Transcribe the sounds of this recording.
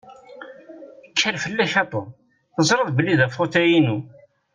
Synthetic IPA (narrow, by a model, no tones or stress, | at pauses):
kʰːəɾfəlːæçɑt̪ˤo | θəzˤɾəðˤbəlːiðæfot̪æjinu